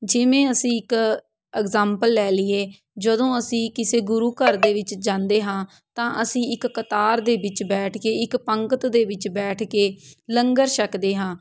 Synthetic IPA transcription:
d͡ʒɪʋẽːəsĩːɪk | ɛːɡzãːmpəlːɛːlɪeː | d͡ʒəd̪õːəsĩːkɪseːɡʊɾuːkəɾd̪eːʋɪt͡ʃd͡ʒãːnd̪eːɦãː | t̪ãːʔəsĩːɪkːət̪aːɾd̪eːbɪt͡ʃbɛːʈʰkeːɪkpəŋkət̪d̪eːʋɪt͡ʃbɛːʈʰkeːləŋɡəɾʃəkd̪eːɦãː

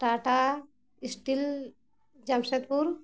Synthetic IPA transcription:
ʈaːʈa | isʈil | d͡ʒamset̪puɾ

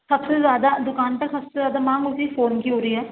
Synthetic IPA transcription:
sɐbsezjaːd̪ad̪ʊkaːnpəsəbsezjaːd̪aːmãːŋɡʊsifoːnkiɦoːɾiɦɛː

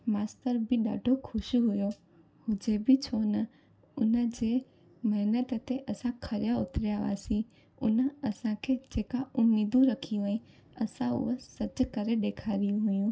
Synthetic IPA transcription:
maːst̪əɾbɪɗa̰ːɖʱokʰʊʃɦʊjo | hʊd͡ʑebɪt͡ɕʰonə | ʊnə̆d͡ʑeː | mɐɦɪnət̪t̪eʔɐsãkʰɐɾɪjaʊt̪ɾijaʋa̰ːsĩ | ʊ̰nəɐsãkʰed͡ʑeːkaʊmiːd̪ũɾɐkʰiɦʊĩ | ɐsãʊ̰ɦosɐd͡ʑkɐɾeɗeːkʰaɾijũɦʊjũː

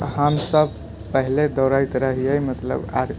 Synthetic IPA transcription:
həmsəb | pəɦiled̪əɾajt̪ɾəɦijəjmət̪lə̰ba̰d̪

